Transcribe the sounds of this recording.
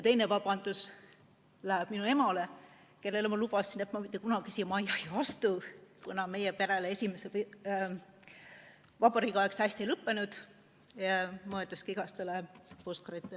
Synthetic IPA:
jɑt̪e̞jne̞vɑb̥ɑnd̪̥us | læheb̥minue̞mɑle | ke̞lːe̞lemɑlub̥ɑsind̪et̪mɑmit̪ˑːe̞kunɑɡ̥isijɑmɑjɑjɑvɑst̪ukunɑme̞jepe̞ɾeleesʲimesep | vɑbɑɾikɑeksæsʲt̪iejlɤpːe̞nud̪̥ | mɑɤld̪ɑskiɡ̥ɑst̪e̞leposkɑɾit̪ːˑel

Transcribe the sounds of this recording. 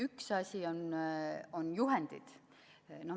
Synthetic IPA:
yksɑsʲion | onjuɦend̪̥ḭd̪̥ | no

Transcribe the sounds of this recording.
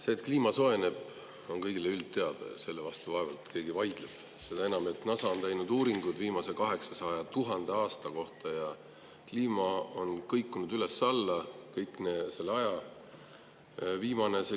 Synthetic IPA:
se̞ːt̪kliːmɑso̞e̞ne̞b̥ | o̞nkɤjɡ̥ileylt̪ːe̞ɑd̪̥ɑ̰se̞lːevɑst̪uvɑe̞vɑ̰lt̪kʰe̞ːɡ̥ivɑjd̪̥leb̥ | se̞d̪̥ɑe̞nɑme̞t̪nɑsɑont̪æjnud̪uːɾiŋɡ̥ud̪̥viːmɑse̞kɑɦe̞ksɑsɑjɑt̪uɦɑnd̪̥e̞ɑːst̪ɑko̞ht̪ɑjɑ | kliːmɑo̞nkɤjkːˑunud̪̥yle̞sːɑlːɑkɤjkːˑnese̞lːeɑjɑ | viːmɑne̞se

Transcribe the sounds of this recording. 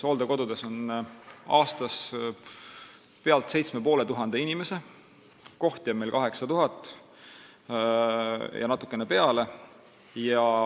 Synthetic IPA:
so̞ːld̪eko̞d̪ud̪̥e̞so̞n | ɑːst̪ɑs | pe̞ɑlt̪se̞jt̪sme̞poːle̞t̪uɦɑnd̪̥e̞inime̞se̞ | ko̞ht̪jɑbmelkɑɦe̞ksɑt̪uɦɑt̪ːˑ | jʔɑ̰nɑt̪ːˑu̥kːˑenepe̞ɑle̞ | jɑ

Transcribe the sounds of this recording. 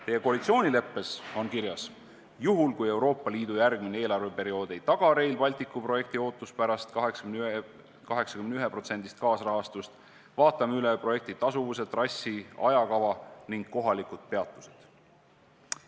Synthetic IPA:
t̪e̞je̞ko̞ɑlʲit̪sio̞ːnʲile̞pːe̞so̞nkirjɑs | juɦulkuje̞wɾo̞ːpːɑliːd̪̥ujærɡ̥minee̞ːlɑrve̞pe̞ɾio̞ːd̪̥e̞jt̪ɑɡ̥ɑɾe̞jlpɑlʲt̪ikːˑupro̞je̞k̚t̪io̞ːt̪ˑːuspæɾɑst̪kɑɦeks | kɑɦe̞ksɑ̥kymneyɦepro̞t̪se̞nd̪̥ist̪̚kɑːsrɑɦɑst̪ust̪ | vɑːt̪ːˑɑmeylepro̞je̞k̚t̪it̪ːɑsuvuse̞dt̪ːˑrɑsʲːiɑ̰jɑkɑvɑniŋɡ̥kːo̞ɦɑlikud̪̥̚pe̞ɑt̪ːˑu̥se̞d̪̥

